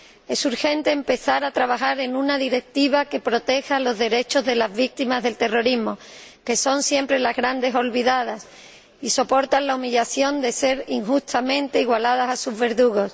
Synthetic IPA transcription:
e̞suɾxe̞nt̪e̞ːmpe̞θaɾat̪ɾaβaxaɾe̞nũnaðiɾe̞k̚t̪iβ̞ake̞pɾo̞t̪e̞xalo̞zðe̞ɾe̞t͡ʃo̞zðe̞lazβik̚t̪imazðe̞lt̪e̞ro̞ɾimo̞ke̞so̞nsje̞mpɾe̞lazɣɾand̪e̞so̞lβiðað̞as | iso̞po̞ɾt̪anlaumiʎaθjo̞nd̪e̞se̞ɾiŋxust̪amẽ̞nt̪e̞iɣwalað̞asasuzβe̞ɾðuɣo̞s

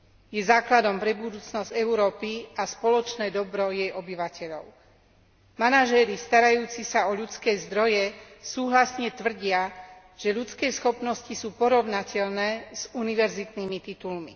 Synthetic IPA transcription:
jɛzaːklad̪ɔmpɾɛbud̪uːt͡snɔzɟ̥ɛuʊɾɔːpiaspɔlɔt͡ʃnɛːd̪ɔbɾɔjɛjʔɔbiʋacɛʎɔʊ | manaʒɛːɾist̪aɾajuːt͡sisaɔʎut͡skɛːzd̪ɾɔjɛsuːɦlasɲɛt̪ʋr̩ɟɪa | ʒ̥ɛʎut͡skɛːsxɔpnɔscisuːpɔɾɔʊnacɛʎnɛːz̥uniʋɛɾzit̪niːmit̪it̪ulmi

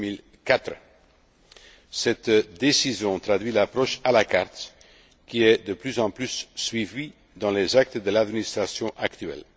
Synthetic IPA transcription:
mil | kat̪χ | sɛt̪d̪esizjɔ̃t̪χad̪ɥilapʁɔʃalakaʁt̪ | kʲiɛd̪əplyzɑ̃plysːɥivi | d̪ɑ̃lezak̚t̪d̪əlad̪minist̪χasjɔ̃ʔakt̪yɥɛ̰l

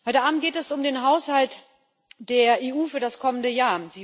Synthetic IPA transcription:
hɔʏtəʔaːbm̩t̚ɡ̥eːtɛsʊmdeːnɦaʊshalt | d̥eːɐʔeːʔuːfyːɐɾaskʰɔməndəjaːɐz̥iː

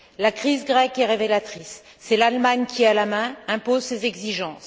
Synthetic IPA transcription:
lakχizɡʁɛkɛʁevelat̪χisː | ɛlalmaɲkʲialamɛ̃ɛ̃pozsezɛɡziʒɑ̃s

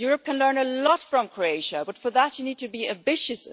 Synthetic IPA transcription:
jʊɹəp̚kʰə̃nlɜ̃˞nəlɔtfɹə̃mkʰɹoeɪʃəbʌtfə˞ðætɨniːd̚tɨbiæ̃mbɪʃɨs

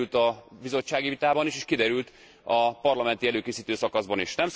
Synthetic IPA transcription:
lt̪ɒbizo̞t͡ʃːaːɡivit̪aːbɒniʃeʃkid̪ɛɾylt̪ | ɒpɒrlɒmɛnt̪iɛløːkeːsiːt̪øːsɒkɒzbɒniʃnɛms

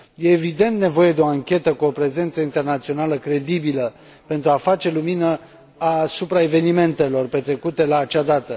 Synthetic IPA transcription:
je̞ːvid̪e̞nt̪̚ne̞vo̞je̞d̪eo̞aŋkʲe̞t̪əkuopɾe̞ze̞nt̪səint̪e̞rnat̪sio̞naləkɾe̞d̪ibilə | pent̪ɾuafat͡ʃe̞luminə | asupɾae̞ve̞nime̞nt̪e̞lo̞rpe̞t̪ɾe̞kut̪e̞laːt͡ʃad̪at̪ə

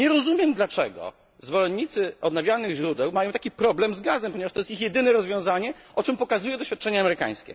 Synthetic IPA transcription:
ɲɛɾɔzumʲjɛmd̪lat͡ʂɛ̰ɡɔ̰ | zvɔlɛnːit̪sɘɔd̪̚navʲjalnɘɣʑɾud̪ɛwmajɔ̃w̃t̪akʲipɾɔblɛmzɡazɛmpɔɲɛvaʂt̪ɔjɛst̪ixjɛd̪ɘnɛɾɔzvʲjɔ̃w̃zaɲɛʔɔt͡ʂɛmpɔkazujɛd̪ɔɕfʲat̪̚t͡ʂɛɲɛaːmɛɾɘka̰j̃skʲɛ̰

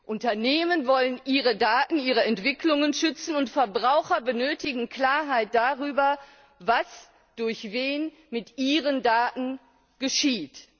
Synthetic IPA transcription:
ʔʊntɐneːmənvɔlənʔiːʁədaːtn̩iːʁ̞əɛntv̥ɪklʊŋənʃʏt͡sn̩ʊntfɛɐbʁaʊxɐbənøːtɪɡŋ̩kl̥aːɐɦaɪt̚d̥aʁyːbɐ | vas | d̥ʊɐçveːn | mɪtʔiːʁəndaːtn̩ | ɡ̥əʃiːt

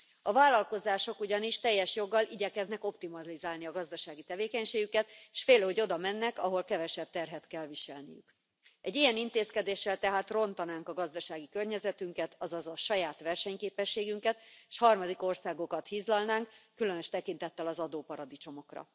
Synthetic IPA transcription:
ɒvaːlːɒlko̞zaːʃo̞kuɟɒniʃt̪ɛjːɛʃjo̞ɡːɒlʔiɟɛkɛznɛko̞pt̪imɒlizaːlniɒɡɒzd̪ɒʃaːɡit̪ɛveːkɛɲʃeːɡykɛt̪ʃfeːlho̞ɟo̞d̪ɒmɛnːɛkɒɦo̞lkɛvɛʃɛb̚t̪ɛrɦɛt̪kɛlviʃɛ̰lnḭjy̰k | ʔɛɟːijɛnint̪eːskɛd̪eːʃːɛlt̪ɛɦaːt̪ro̞nt̪ɒnaːŋkɒɡɒzd̪ɒʃaːɡikørɲɛzɛt̪yŋkɛt̪ɒzɒzɒʃɒjaːt̪ʋɛrʃɛɲkeːpɛʃːeːɡyŋkɛt̪eʃhɒrmɒd̪iko̞rsaːɡo̞kɒt̪hizlɒlnaːŋkːylø̞nøʃt̪ɛkint̪ɛt̪ːɛlɒzɒd̪oːpɒɾɒd̪it͡ʃo̞mo̞krɒ̰

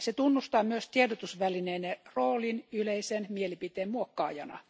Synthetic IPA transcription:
set̪unːust̪ɑːmyøst̪iedot̪usʋælineːneroːlinyleisenmielipit̪eːmmuokːɑːjɑ̰nɑ̰

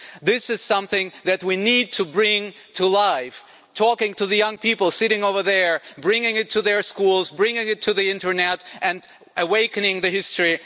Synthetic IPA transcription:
ðɪsɨz̥sʌ̃mθɪ̃ŋðɨt̚winid̚tʰɨbɹɪ̃ŋ | tʰəlaɪf | tʰɔkɪ̃ŋtʰɨðɨjʌ̃ŋpʰipl̩ˠsɪɾɪ̃ŋoʊvə˞ðə˞bɹɪ̃ŋɪ̃ŋɨtʰɨðə˞skulˠzbɹɪ̃ŋɪ̃ŋɨtʰɨðiɪ̃ntə˞nɛɾʔɨ̃n | ʔɨweɪkɨ̃nɪ̃ŋðɨhɪstɹ̥i

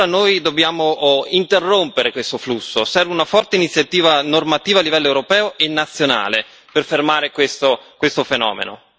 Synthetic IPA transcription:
anoːjd̪objaːmoint̪erːompeɾekwest̪oflusːosɛrveunafɔrt̪einit̪sːjat̪iːvanormat̪iːvaːlːivɛlːoewɾopɛːoʔenːat̪sːjona̰ːle | perfermaːɾekwest̪okwest̪ofenɔ̰ːmḛno̰

